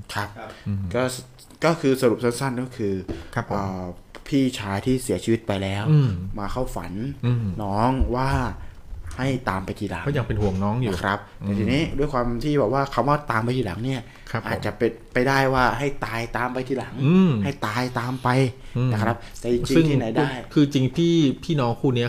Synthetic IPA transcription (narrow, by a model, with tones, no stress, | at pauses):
kʰa˦˥p̚kɔː˥˩ | kɔː˥˩kʰɯː˧sa˧ɾu˨˩p̚sa˥˩nsa˥˩nkɔː˥˩kʰɯː˧˦ʔəː˨˩ | pʰiː˥˩t͡ɕʰaː˧jt̪ʰiː˥˩si˩˦ɐt͡ɕʰiː˧wi˦˥t̪̚pa˧jlɛː˦˥wmaː˧kʰa˥˩wfa̰˩˦n˧nɔː˦˥ŋwaː˥˩ | ha˥˩jt̪aː˧mpa˧jt̪ʰiː˧˩la̰˨˩˦ŋ˥˩ja˨ŋpe˧nhu˨˩əŋnɔː˦˥ŋjuː˨kʰɾa˦˥p̚t̪ɛː˨˩t̪ʰiː˧niː˦˥du˥˩əjkwaː˧mt̪ʰiː˥˩bɛː˨˩p̚waː˥˩kʰa˧˩mwaː˥˩t̪aː˧mpa˧jt̪ʰiː˥la̰˨˩˦ŋni˥˩ɐ | kʰa˦ʔaː˨˩t͡ɕa˨˩ʔpe˧npa˧jdaː˥˩jwaː˥˩ɦa˥˩jt̪aː˧jt̪aː˧mpa˧jt̪ʰiː˧˥˩la˨˩˦ŋɯː˧ha˥˩jt̪aː˧jt̪aː˧mpa˧jn˧a˦˥kʰɾa˦˥p̚t̪ɛː˨˩t͡ɕi˧ŋt͡ɕi˧sɯŋ˥˩tŋʰiː˥na˩˦jdjkʰɯː˧t͡ɕi˧ŋpʰiː˥˩pʰiː˥˩nɔː˦˥ŋkʰuː˥˩ni˦˥ɐ